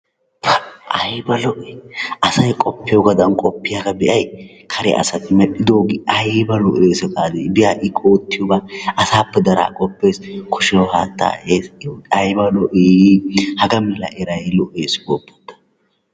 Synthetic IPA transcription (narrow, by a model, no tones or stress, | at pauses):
pʰʔɐjbɐlɔʔɛɐsɐjkʼɔpːɪjɔɡɐd̪ɐnkʼɔpːɪjaːɡɐbɛʔɐj | kʰɐɾɛ̰ʔɐ̰sɐt̪ːɪmɛɗɪd̪o̞ːɡɪʔɐjbɐlɔʔeːsɛkʼaːd̪ebɪjaːʔɪkʼoːt̪ːɪjɔbaːɐsaːpːɛd̪ɐɾa̰ːkʼɔpːeːskʰɔʃɛjɔha̰ːt̪ːa̰ːʔeːsɐjbɐlɔʔeːhɐɡɐmɛlɐ̰ʔɛɾɐjlɔʔeːsboːpːɔ̥t̪ːɐ̥